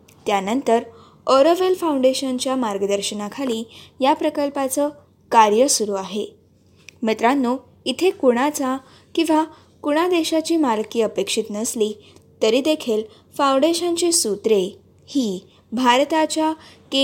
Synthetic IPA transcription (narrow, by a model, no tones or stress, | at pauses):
t̪janənt̪əɾ | oɾəʋelfauɳɖeɕənt͡ɕjamaɾɡəd̪əɾɕənakʰaliːjapɾəkəlpat͡sə | kaɾjəsuɾuːaɦe | met̪ɾanːu | it̪ʰekuɽ̃at͡sa | kĩw̃ʋa | kuɽ̃ad̪eɕat͡ɕiːmalkiːəpekʂit̪nəsliːt̪əɾiːd̪ekʰiːl | fauɳɖeɕənt͡ɕisut̪ɾe | hiː | bʱaɾt̪at͡ɕjake